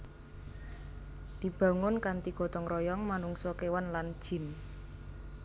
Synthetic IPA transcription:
d̪̥i̤b̥a̤ŋʊnkant̪iɡ̥ɔ̤t̪ɔŋrʔɔjɔŋmanuŋsɔkewanland̥ʒ̥ɪ̤n

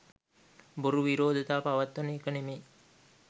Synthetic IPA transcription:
buɾuʋiɾoːd̪ʱət̪aːpaʋat̪ːonəekənemeː

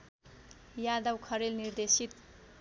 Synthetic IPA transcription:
jad̪ʌwkʰʌɾelnird̪esit̪

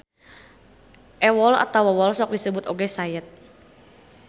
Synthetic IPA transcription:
ʔɛwɔla̰t̪awɛwɔlsɔk̚disəbʊt̪oɡɛsajət̪̚

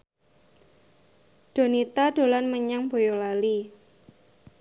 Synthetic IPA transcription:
ɖ̥o̤nit̪ad̥o̤lanməɲaŋb̥ojolali

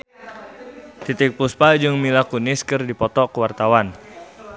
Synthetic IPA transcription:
t̪it̪ɪk̚puspad͡ʒɨŋmilakunɪskɨrdipɔt̪ɔkəwart̪awan

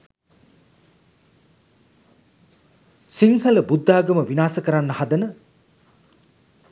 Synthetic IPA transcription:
siŋhələbud̪ːaːɡəməʋinaːsəkəɾanːəhad̪ənə

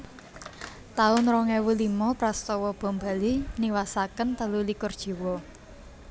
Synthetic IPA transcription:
t̪aʊnɾɔŋɛwulimɔpɾast̪ɔwɔb̥ɔ̤mba̤liniwasakənt̪əlulikʊrd̥ʒ̥i̤wɔ

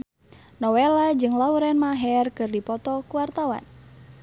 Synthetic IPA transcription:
nɔwelad͡ʒɨŋlauɾɛnmaɦɛrkɨrdipɔt̪ɔkuwart̪awa̰n

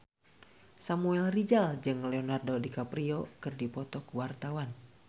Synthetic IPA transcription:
samuɛlrid͡ʒald͡ʒɨŋlɛonardodikapɾiokɨrdipɔt̪ɔkuwart̪awan

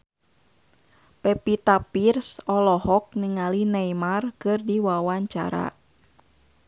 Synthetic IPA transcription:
pɛpit̪apirsɔlɔɦɔk̚niŋalinɛimarkɨrdiwawaɲt͡ʃa̰ɾa̰

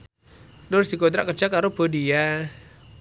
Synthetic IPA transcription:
dɔrsikod̪ɾaʔkərd͡ʒakaɾob̥odia

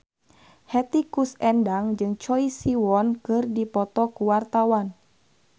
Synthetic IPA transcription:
hɛt̪ikusɛndaŋd͡ʒɨŋt͡ʃɔisiwɔnkɨrdipɔt̪ɔkuwart̪awan

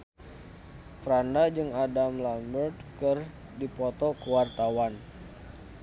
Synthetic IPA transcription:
fɾandad͡ʒɨŋadamlambərt̪̚kɨr | dipɔt̪ɔkəwart̪awan

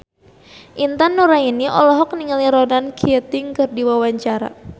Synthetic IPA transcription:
ʔint̪anːuɾainiʔɔ̰lɔɦɔk̚niŋaliɾɔnankʰiɛt̪ɪŋkɨrdiwawaɲt͡ʃaɾa̰

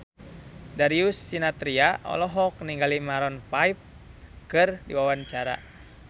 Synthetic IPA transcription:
daɾiusːinat̪ɾiaʔɔ̰lɔɦɔk̚niŋɡalimaɾɔnpaip̚ | kɨrdḭwawant͡ʃaɾa̰

